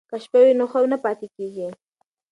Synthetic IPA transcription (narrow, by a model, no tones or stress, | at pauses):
kaʃpawɪnoχɑnapat̪ɪkɪkɪ